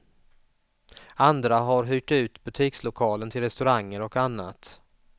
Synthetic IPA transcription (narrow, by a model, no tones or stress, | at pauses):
and̪ɾaɦaɾɦyːʈʉ̟ːt̪bɵt̪ʰiːkslʊkʰɑːlənt̪ʰɪlɾɛst̪ɵɾaŋːəɾɔkanːa̰t̪